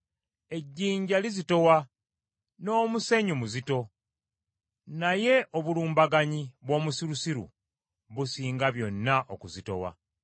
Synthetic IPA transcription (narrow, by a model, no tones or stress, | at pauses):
e̞ɟːiːɲɟalizito̞wa | no̞ːmuse̞ɲumuzito̞ | naje̞ʔoβuluːmbaɡaɲiβwo̞ːmusiɾusiɾṵ | βusiːŋɡaβjo̞nːaʔo̰kuzito̞̰wa̰